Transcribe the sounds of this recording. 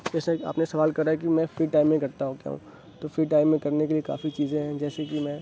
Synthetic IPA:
ɛːsea̰ːpnesɐʋaːlkɐɾaɛk̬imɛ̃fɾiːʈaːɪmːẽkɐɾt̪aɦũka̰ṵ̃ː | t̪oːfiʈaːɪmːẽkɐɾnek̬elieka̰ːfit͡ʃiːzẽɦɛ̃d͡ʒɛːsekimɛ̃

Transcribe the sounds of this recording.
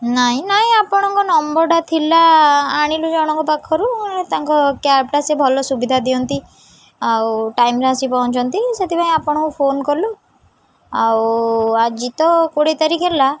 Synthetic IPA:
naɦĩnaɦĩapɔɽ̃ɔŋkɔnɔmbɔɾɖat̪ʰilaːɽ̃ilud͡ʒɔɽ̃ɔŋkɔpakʰːɔɾuet̪aŋkɔkapʈasebʱɔlɔsubid̪ʱad̪iɔnt̪i | awʈajmɾeasipaũt͡ʃʰɔnt̪iset̪ʰipaɦĩapɔɽ̃ɔ̃kũpʰonkɔɾlu | awad͡ʒit̪ɔkoɽet̪aɾikʰela

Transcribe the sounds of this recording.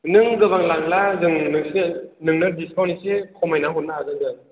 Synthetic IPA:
nɯŋɡɯβaŋlaŋlazɯŋnɯŋsɯnɯŋnɯdiskʰawnisekʰɔmajnaɦɔt̚naazɯŋdɯn

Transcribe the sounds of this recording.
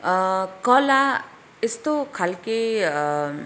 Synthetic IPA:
kɔla | est̪okʰalke

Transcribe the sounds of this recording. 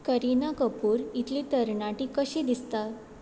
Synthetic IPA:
kəɾinakəpuːɾit̪ʰlit̪əɾɳaʈikəɕid̪ist̪a

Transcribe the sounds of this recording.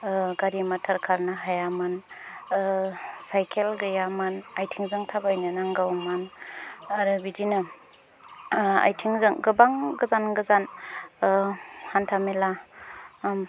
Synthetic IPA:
ɡaɾimatʰaɾkʰaɾnaɦajaman | sajkʰelɡɯjamanajtʰiŋzɯŋtʰabajnɯnaŋɡawman | aɾɯbidina | a̰jtʰiŋzɯŋɡɯbaŋɡɯzanɡɯzan | hantʰamela

